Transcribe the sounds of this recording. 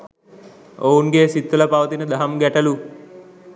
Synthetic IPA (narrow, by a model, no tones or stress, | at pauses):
ounɡeːsit̪ːulɐpaʋɐt̪inəd̪ɐɦɐmɡæʈɐlu